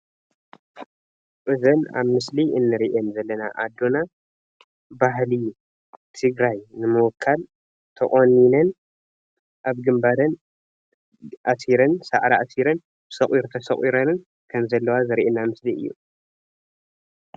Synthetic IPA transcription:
ʔɨzɐna̰βmɨsliɨnːɨɾiʔenzɐlːɐna̰ʔad̪ːo̞na | bahli | t̪ʰɨɡɾajnɨmɨwɔkʰːal | t̪ʰɨ̰ʔʼonːinɐn | ʔaβɡɨmbaɾɐn | ʔasiɾɐnsa̰ʕɾaasiɾɐn | ɨsɐχʼiɾt̪ʰɐsɐχʼiɾɐnɨn | kʰɐmzɐlːɐwazɨɾʔenːamɨsliɨ̰jːṵ

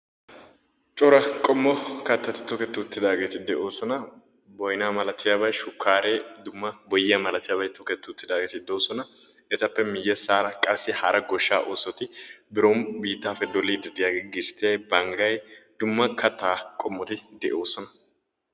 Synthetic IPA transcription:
t͡ʃʼɔɾɐkʼɔmːɔkɐt̪ːɐt̪ɪ̥t̪ɔkɛt̪ːʊʊt̪ːɪd̪aːɡeːt̪ɪd̪ɛʔo̞ːsɔnɐ | bɔjnaːmɐlɐt̪ʰɪjaːbɐjʃʊkʰːaːɾeːd̪ʊmːɐbɔjɪːɐmɐlɐt̪ɪjaːbɐjt̪ɔkɛt̪ːʊʊt̪ːɪd̪aːɡeːt̪ɪd̪o̞ːsɔnɐ | ɛt̪ɐpːɛmɪjːɛsaːɾɐkʼɐsːɪhɐɾɐɡɔʃːaːʔoːsɔt̪ɪbɪɾombiːt̪ːaːfɛd̪ɔlːiːd̪ɪd̪ɪjaːɡeːɡɪɾst̪eːbɐŋɡɐjd̪ʊmːɐkʰɐt̪ːaːkʼɔmːɔt̪ɪd̪ɛʔo̞ːsɔnɐ

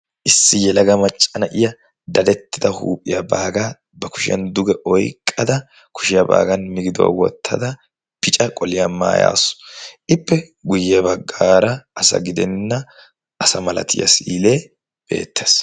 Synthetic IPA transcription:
ʔɪsːɪjɛlɐɡɐmɐt͡ʃʼːɐnɐʔɪjɐ | d̪ɐd̪ɛt̪ːɪd̪ɐhṵːpʼːɪ̰jɐbaːɡa | bɐkʊ̥ʃɪjɐ̰nd̪ʊɡɛʔɔjkʼːɐd̪ɐ | kʊ̥ʃɪjɐba̰ːɡɐnmɪɡɪd̪ʊwa̰wɔ̰t̪ʰːɐ̰d̪ɐ | pɪt͡ʃʼɐkʼɔlɪjɐma̰ːja̰ːsʊ̥ʔɪpːɛ | ɡʊjːɛbɐɡːaːɾɐʔɐsɐ̰ɡɪd̪ɛnːɐ | ɐsɐmɐlɐ̰t̪ʰɪ̰jɐ̰siːleː | b̥ḛːt̪ːeːs

